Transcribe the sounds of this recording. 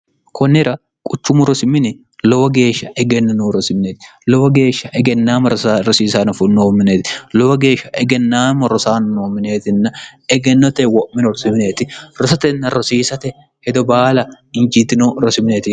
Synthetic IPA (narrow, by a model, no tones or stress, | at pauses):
kʰɔnːɪɾɐ | kʼʊt͡ʃːʊmʊɾɔsɪmːɪnɪ | lɔwɐɡe̞ːʃːɐɛɡɛnːɐnoːɾɔsɪmɪneːt̪lɔwɐɡe̞ːʃːɐʔɛɡɛnːaːmɐɾɔɾɔsiːsaːnɐfʊnoːmːɪneːt̪ɪlɔwɐɡe̞ːʃːɐʔɛɡɛnːaːmɐɾɔsaːnnoːmːɪne̞ːt̪ɪnːɐɛɡɛnːɔt̪ɛwɔʔmːɪnɔɾɔsɪmɪne̞ːt̪ɪɾɔsɐt̪ɛnːɐɾɔsiːsɐt̪ɛ | hɛd̪ɔbaːlɐ | ɪnd͡ʒit̪ːɪnoɾɔsɪmɪneːt̪ɪ